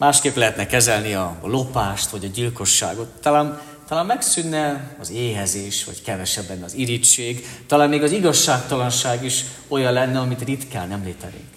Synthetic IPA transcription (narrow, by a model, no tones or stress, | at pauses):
maːʃkeːplɛɦɛt̪nɛkɛzɛlniɒlo̞paːʃt̪ʋɒɟɒɟilko̞ʃːa̰ːɡo̞t̪ːɒlaːn | t̪ɒlaːmmɛksynːɛɒzeːɦɛzeːʃʋɒ̰ckɛvɛʃɛbːɛnːɛɒziɾit͡ʃeːɡt̪ɒlaːnmeːɡɒziɡɒʃːaːkt̪ɒlɒnʃaːɡiʃ | o̞jɒnlɛnːɛɒmit̪rit̪ka̰ːlnɛmleːt̪ɛ̰ɾḭŋk